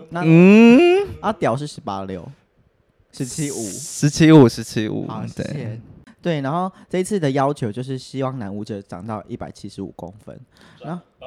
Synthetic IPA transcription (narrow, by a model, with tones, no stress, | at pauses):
na˥˨˥ | a˥˩t̪jɑ˨˩ʊʂ̬̩˥˩ʂɻ̩˧˦pa̰˦ljo˥˨˩ʊ | ʂɻ̩˧˦t͡ɕʰi˦˥u˨˩ʂɻ̩˧˦t͡ɕʰi˦u˨˩ʂɻ̩˧˦t͡ɕʰi˦˥ṵ˨˩˨t̪wḛ˥˩˧t̪we˥˩ɪna˧˦nxo˥˩ʊʈ͡ʂə˥˨i˧˦t͡s̩ʰ˥˩d̪ə˨jɑ˦ʊt͡ɕʰjo˧˦ʊt͡ɕjo˥˧ʂ̬ɻ̩˥˩ɕi˦wɑ˥˩ŋna˧˦nu˧˥ʈ͡ʂə˧ʈ͡ʂɑ̰˨˩ŋt̪ɑ˥˧ʊʔi˥˩pa˨˩ɪt͡ɕʰi˦ʂɻ̩˧˦ṵ˨˩ko̰˦ŋfə̰˦nna˥˩